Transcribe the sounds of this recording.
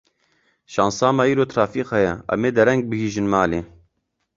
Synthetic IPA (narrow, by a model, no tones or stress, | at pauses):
ʃɑːnsɑːmɑiːɾoːt̪ʰɾɑːfiːqhɛjɛʔɛ̰meːd̪ɐɾɛŋɡ̚bɨhiːʒɨnmaːleː